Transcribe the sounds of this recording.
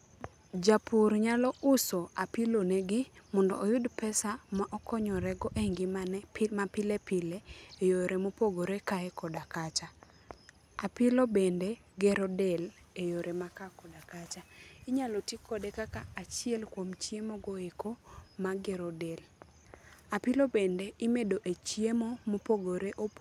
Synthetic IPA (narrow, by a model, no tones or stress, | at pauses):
d͡ʒapuɾɲalɔʔʊsoapɪloneɡɪmɔndɔ̰ːjʊdpɛsamaʔɔkɔɲɔɾɛɡɔʔeŋɡɪmanɛmapɪlepɪleejoɾemopoɡoɾekaɛkɔdakat͡ʃa | apɪlobende | ɡɛɾodɛl | ejoɾʔemakakɔdakat͡ʃaɪɲalɔtikʰɔdekakaat͡ʃiɛlkwomt͡ʃjemoɡoekomaɡɛɾodɛl | apɪlobendeimedoʔet͡ʃjemomopoɡoɾeʔo